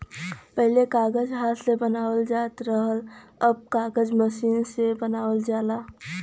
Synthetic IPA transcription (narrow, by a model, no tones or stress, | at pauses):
pəɦlekaːɡəd͡ʒɦaːt̪ʰsebənaːwəld͡ʒaːt̪ɾəɦələb̚kaːɡəd͡ʒməʃiːnsebənaːwəld͡ʒaːla